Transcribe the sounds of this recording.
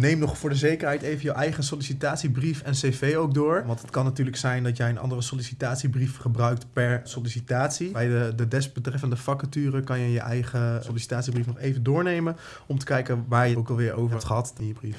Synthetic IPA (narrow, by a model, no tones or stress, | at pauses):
nejmnɔχfʊːɹdəzejkəɹɦɛjtejvənjəwʔɛjχəsolisitaːtsibrifɛnsejfejowk̚dʊːɹʋɑntɦətkɑnːatyːɹləksɛjndɑtjɛjənʔɑ̰ndərəsolisitaːtsibrifχəbrœɥk̚tpɛɹsolisitaːtsibɛjdədədɛstb̥ətrɛfəndəfɑkətyːrəkɑnjəjəʔɛ̰jχəsolisi̥taːtsibrifnɔχejvəndʊːɹnejmən | ɔmtə̥kɛjkənʋaːɹjəowkɑlˠʋɪːɹʔo̰wəɹɦɛtχəɦɑtɪnjəbrif